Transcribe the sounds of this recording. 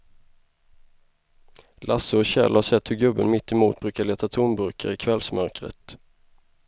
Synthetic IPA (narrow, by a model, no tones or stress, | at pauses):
lʔasəɔɕɛ̰lhasɛt̪hɵɡɵbːənmɪt̪ːɛmuːt̪̚bɾʉːkaleːt̪at̪ʰʊnbɵɾkʰə̰ɾɪkʰvɛlsmœɾkɾə̰t̪